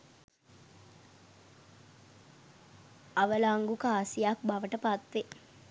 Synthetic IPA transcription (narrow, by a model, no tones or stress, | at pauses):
ɐʋəlaːŋɡukaaːsijaːk̚baʋəʈəpat̪ʋe